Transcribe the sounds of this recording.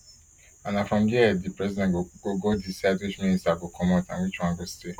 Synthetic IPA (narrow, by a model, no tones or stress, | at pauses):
anãfɾɔ̃mdiɛdipɾɛzidɛ̥̃oɡodisadwid͡ʒmĩnistabokʰɔ̃mɔ̃tã̰wit͡ʃuãɡosi̥te